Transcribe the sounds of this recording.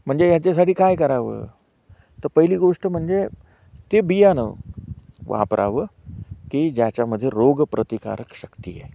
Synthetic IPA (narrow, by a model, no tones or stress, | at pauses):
m̤əɳd͡zejat͡ɕas̬aʈiːkajkəɾaʋə̰ː | t̪əɾpəɦiliːɡoʂʈəm̤əɳd͡ze | t̪ebijanə̰ | ʋʔa̰pɾʔa̰ʋəkiːd͡ʑjat͡ɕjaməd̪ʱːjeɾoɡpɾət̪ika̰ɾəkɕəkt̪ijḛ